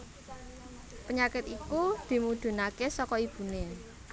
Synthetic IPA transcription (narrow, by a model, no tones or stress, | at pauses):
pəɲakɪt̪ikud̪̥i̤mud̪̥ṳnakesɔkɔib̥ṳne